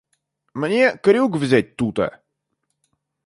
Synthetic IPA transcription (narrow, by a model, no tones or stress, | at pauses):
mənʲiəkəɾiʊɡvʲizʲɛt̪̚ʲt̪ut̪ɛ̰